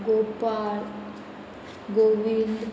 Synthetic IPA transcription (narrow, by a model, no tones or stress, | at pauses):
ɡopal | ɡoʋil